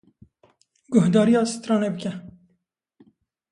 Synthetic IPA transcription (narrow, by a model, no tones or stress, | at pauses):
ɡʊɦd̪ɑːɾijɑːst̪ɾɑːnebəkʲɛ